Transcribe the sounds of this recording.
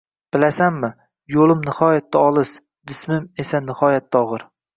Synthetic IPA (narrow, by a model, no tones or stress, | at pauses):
b̥ɪlasamːɪ | jolˠɪmnɪhɒjat̪ːaɒlˠɨʃ | d̪ɪsmɪme̞sanɪhɒjat̪ːɒʁɨɾ